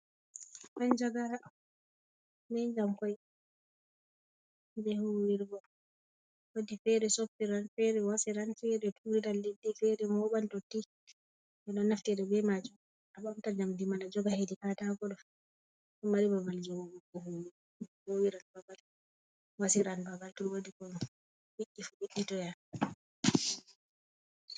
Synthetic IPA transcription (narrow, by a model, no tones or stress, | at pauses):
mand͡ʒaɡaɾa | mɛd͡ʒamkɔj | bɛhuwiɾɡɔ | wodifɛɾɛsopːiɾanfɛɾɛwasiɾanfɛɾɛtʰuɾiɾaldedːifɛɾɛmɔɓantotːi | ʔɛɗɔnaftɛɗɛbɛmad͡ʒum | abamtad͡ʒamdimanad͡ʒɔɡahedikatakɔɗɔ | ɔmaɾibabald͡ʒɔwuɡuɡɔhuwi | howiɾanbabal | wasiɾanbabaltuɾwodikɔ | wiʔːifubiɗːitɔja